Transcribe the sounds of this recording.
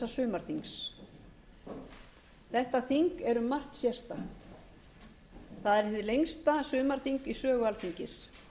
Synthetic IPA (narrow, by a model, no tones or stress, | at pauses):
asʏːmaɾ̥θiŋks | θɛht̪aθiŋkɛɾʏmːar̥t̪sjɛr̥st̪axt̪ | θaðɛɾɪnt̪ɪlejŋst̪asʏːmaɾ̥θiŋkisœːɣʏalθiɲcɪs